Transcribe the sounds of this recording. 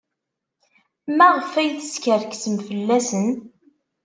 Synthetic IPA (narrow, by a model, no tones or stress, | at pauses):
mæʁəfæjθəskəɾksəmfəlːæsən